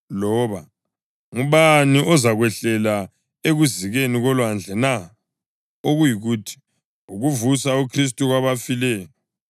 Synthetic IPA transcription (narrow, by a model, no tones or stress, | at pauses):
lɔːβa | ŋuβaniʔɔzaɣwɛɬɛla | eɣuziɣeniɣɔlwand͡ɮʱɛna | oɣujiɣuːtʰi̥ | uɣuvusaukʰris̬tʼuɣwaβafilɛːjɔ